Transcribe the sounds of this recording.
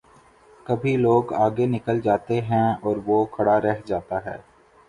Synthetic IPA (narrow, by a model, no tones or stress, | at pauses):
kɐbʱiloːɡaːɡenɪkəld͡ʒaːt̪eɦɛ̃ɔːɾʋokʰɐɽaɾɛɦd͡ʒaːt̪aɦɛ̰ː